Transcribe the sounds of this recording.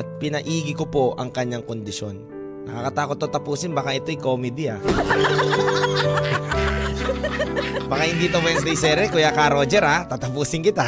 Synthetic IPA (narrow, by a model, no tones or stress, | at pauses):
t̪̚pɪnɐʔiːɡɪkopoʔɐŋkɐɲːaŋkond̪ɪʃonː | ɐkakɐt̪aːkot̪̚ːot̪ɐpuːsɪnbakaʔɛt̪ojkomɛd̪ɪa | bakahɪnd̪it̪owɛnsd̪ejsɛɾɛkʊjakaɾod͡ʒɛɾat̪at̪ɐpuːsɪnkɪt̪a